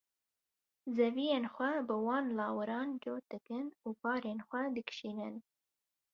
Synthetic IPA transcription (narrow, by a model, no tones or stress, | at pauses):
zɛviːjeːnxʷɛbɨwɑːnlɑːwɨɾɑːnd͡ʒoːt̪ɨkɨnuːpɑːɾeːnxʷɛd̪ɨkʃiːnɨn